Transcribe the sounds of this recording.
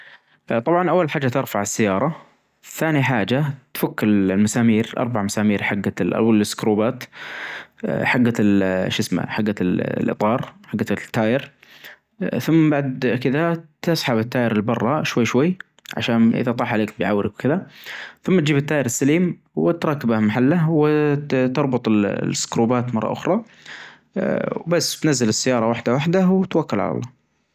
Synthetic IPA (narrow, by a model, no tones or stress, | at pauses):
t̪ˤɑbʕɑnʔawːalħaːd͡ʒːat̪ɪɾfaʕɪsːajːɑːɾˤɑ | θaːniħaːd͡ʒat̪fakːɪllmasaːmiːɾʔɑ̰ɾˤbaʕmasaːmiːɾħaɡːalʔa̰waɪskɾuːbaːt̪ | ħaɡːalʃɪsma̰ħaɡːalʔɨ̰t̪ˤɑːɾˤħaɡːat̪ːaːjɪɾ | θʊmːbaʕd̪kɪðat̪ɪsˤħabɪt̪ːaːjɪɾɪlbɑrˤːɑʃwajːʃwajː | ʕa̰ʃaːnʔɪ̰ðat̪ˤɑːħʕaleːkbɪjʕawːɾɪkwkɪðaθʊmːat̪̚d͡ʒiːbɪt̪ːaːjɪɾɪsːaliːm | wɪt̪ɾˤɑːkːɪbahmaħalːawɪt̪ɑɾˤbʊt̪ˤɪlɪsːkɾuːbaːt̪mɑrˤːɑ̰ʔʊ̰xɾˤɑ | wbasːt̪nazːalɪsːajːɑːɾˤɑwaħd̪awaħd̪awt̪wakːʊlʕa̰lɑ̰lˤːɑ̰ː